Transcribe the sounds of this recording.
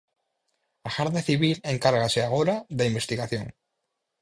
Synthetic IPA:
axaɾðeθiβ̞ileŋkaɾɣaseaɣ̞oɾaðaimbe̞st̪iɣaθjoŋ

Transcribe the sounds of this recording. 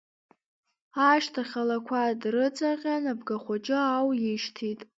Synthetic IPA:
aʃtʰaχʲalakʷʰadrɨt͡sʼaqʲʼanabɡaχʷat͡ʃʼɪawjɪʃtʰitʼ

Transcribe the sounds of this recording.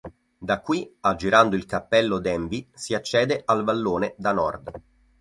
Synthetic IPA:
d̪akːwiad͡ʒːiɾand̪oilkapːɛlːod̪ɛɱvisiat͡ʃːɛːd̪eʔalvalːoːned̪anɔ̰rd̪

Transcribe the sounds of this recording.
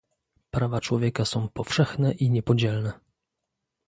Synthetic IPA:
pɾavat͡ʂwɔvʲjɛkasɔ̃w̃pɔfʂɛxnɛʔiɲɛpɔd͡ʑɛlnɛ

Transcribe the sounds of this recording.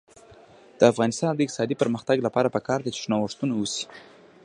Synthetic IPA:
d̪̥əafɣɑnɪst̪ɑnd̪əɪk̚t̪sɑd̪ipəɾməxt̪aɡlapɑɾapəkɑɾd̪et͡ʃɪ̥ʃnawəʂt̪unawusi̥

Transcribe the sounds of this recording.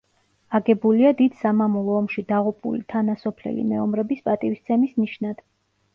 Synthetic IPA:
aɡɛbuliad̪id̪̥samamɔlˠɔːmʃid̪aʁupʼṵlḭt̪ʰanasɔpʰlɛ̰lḭmɛɔmɾɛbispʼat̪ʼiwist̪sʰɛmisniʃnad̪̥

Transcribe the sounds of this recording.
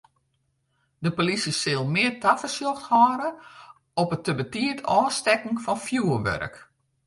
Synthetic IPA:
dəpolisəsɪlˠmɪːərtafəsjɔxthɔːɾə | ɔpətəbətiətʰɔːstɛkŋ̩fɔnfjuərʋœ̰ɾə̰k

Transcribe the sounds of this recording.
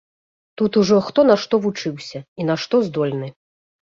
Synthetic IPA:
t̪ut̪uʐɔxt̪ɔnɐʂt̪ɔvut͡ʂɨwsʲɐinaʂt̪ɔzd̪ɔlʲnɨ

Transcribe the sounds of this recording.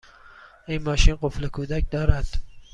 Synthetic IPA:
inmɒːʃiːnɢoflekʰuːd̪æcd̪ɒːɾæd̪̥

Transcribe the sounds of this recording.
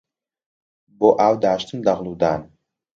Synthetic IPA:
boʔawd̪aːʃt̪ʰɨnd̪aʁlˠuːd̪aːn

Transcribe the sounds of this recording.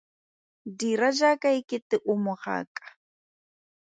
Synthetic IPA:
diɾaʒakajkɪt̪ɪʔʊmohɑ̰ːkʼḁ

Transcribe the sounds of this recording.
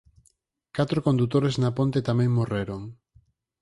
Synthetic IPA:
kat̪ɾokond̪ut̪oɾeznapont̪et̪amẽŋmoreɾoŋ

